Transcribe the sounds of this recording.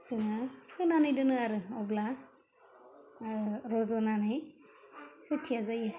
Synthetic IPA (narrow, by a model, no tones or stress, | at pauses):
sɯŋapʰɯjnanɯjdɯnɯaɾɯɔbla | ɾɔzɔnanɯj | kɯtʰijazajɯ